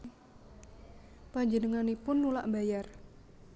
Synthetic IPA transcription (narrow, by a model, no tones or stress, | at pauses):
paɲd͡ʒənəŋanipʊnːula̰ʔbajar